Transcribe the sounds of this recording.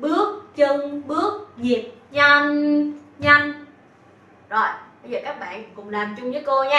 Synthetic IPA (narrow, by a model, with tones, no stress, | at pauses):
ɓɨ˦˥ək̚t͡ɕə˧ŋɓɨ˦˥ək̚zi˨˩əp̚ɲa˧nɲa˧jŋ | zo˨˩jɓə˧jzəː˨˩kaː˦˥k̚ɓa̰ː˧˨nkʊ̰˧˥ŋ͡mlaː˨˩mt͡ɕʊ˧ŋ͡mvəː˨˦jko˧ɲaː˦˥